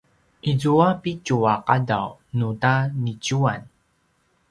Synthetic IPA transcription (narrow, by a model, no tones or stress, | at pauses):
ʔizuapicuaqada̰wnutanicuan